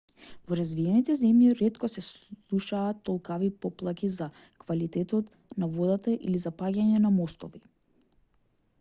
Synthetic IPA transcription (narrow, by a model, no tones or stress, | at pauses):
vɔɾazviɛnit̪ɛzɛmjiɾɛt̪kɔsɛslˠuʃaːt̪ːɔlˠkavipɔplˠakʲiza | kvalit̪ɛt̪ɔt̪ | navɔd̪at̪aʔḭlizapaɟaɲɛnamɔst̪ɔvi